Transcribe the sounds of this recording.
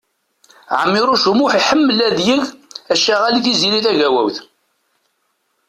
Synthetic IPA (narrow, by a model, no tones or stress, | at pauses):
ʕə̰mːiɾˤuʃumʊħiħəmːəlæðjəʝæʃæʁaliθiziliθæʝæwæ̰wθ